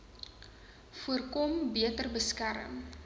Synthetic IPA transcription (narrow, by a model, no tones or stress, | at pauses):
fuərkɔmbiətərbəskæɾə̰m